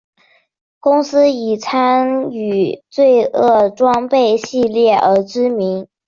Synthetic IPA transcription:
kʊ˥ŋsɹ̩˥i˨˩t͡sʰa˥ny˨˩t͡swe˥˧ɪɤ˥˩ʈ͡ʂwɑ˥ŋpe˥˧ɪɕi˥˧ljɛ˥˩ʔə˞˧˥ʈ͡ʂɻ̩˥mi˧˥ŋ

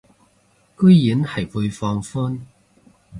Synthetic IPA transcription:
kɵ˥ɥjiː˨˥nhɐ˨˩jpu˧jfɔː˧ŋfuː˥n

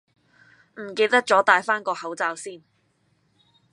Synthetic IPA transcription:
m̩˨˩ke˧jt̪ɐ˥k̚t͡ʃt͡sɔː˨˥t̪aː˧jfaː˥nkɔː˧hɐ˨˥wt͡saː˧wsiː˥˩n

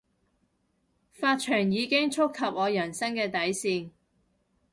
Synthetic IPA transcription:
faː˧t̚t͡ʃʰœː˨˩ŋjiː˨˧kɪ˥ŋt͡ʃʰʊ˥kʰːɐ˨p̚ŋɔː˨˧jɐ˨˩nsɐ˥ŋkɛː˧t̪ɐ˨˥jsiː˧ŋ

